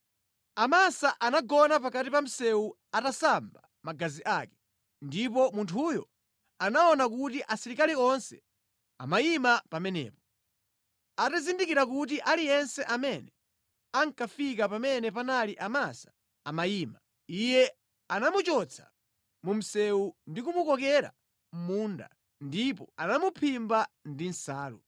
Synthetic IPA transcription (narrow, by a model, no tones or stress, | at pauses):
amasaʔanaɡɔnap̬akatipam̩sɛu | atasamba | maɡaziʔakɛ̥ | ndipɔmuntʰujɔ̰ | anaɔnak̬utiʔasiɾikaliɔnsɛ | a̰majimapamɛnɛ̰ːpɔ̥ | atazindikiɾakut̬iʔalijɛnsɛʔamɛnɛ | aŋkafikapamɛnɛpanaliʔamasḁ | amajiːma | ijɛ | anamut͡ʃɔt͡sʰḁ̰ | mum̩sɛundikumukɔk̬ɛɾa̰ | m̩munda̰ | ndipɔanamupʰimbandin̩saːlṵ